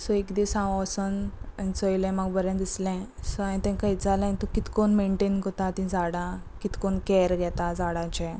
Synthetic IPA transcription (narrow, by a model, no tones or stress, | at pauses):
sɔekd̪isãʋəsənit͡səjlɛ̃məɡbəɾɛ̃nd̪islɛ̃sɔanĩt̪ɛ̃kaid͡zalanit̪okit̪konmeɳʈenɡot̪at̪ĩd͡zaɽã | kit̪konkɛɾɡʱɛt̪ad͡zaɽãt͡ɕɛ̃